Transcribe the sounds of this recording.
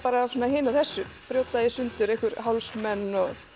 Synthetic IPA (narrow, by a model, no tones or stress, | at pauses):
paːɾaːsɔnːaɦeːnaθɛsːʏfɾjoːwt̪aðjɪsʏnt̪ʏɾejhkʏɾ̥ɦawlsmɛnːɔɣ